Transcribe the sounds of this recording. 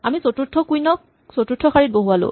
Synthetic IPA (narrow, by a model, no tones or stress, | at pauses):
amisotutʰːɔkujnɔk | sotutʰːɔxʰaɹit̚boɦualʊ̰